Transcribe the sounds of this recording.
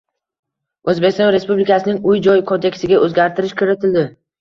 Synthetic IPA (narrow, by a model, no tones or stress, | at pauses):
ɵzbest̪ɒ̃nɾe̞spublɪkʰasɪnɪŋʊjd͡ʒɒjkʰo̞nd̪e̞kʲst̪ɪɡʲaʔɵzɡʲaɾt̪ʰɪɾɪʃkʰɵɾɪt̪ʰɪld̪ɪ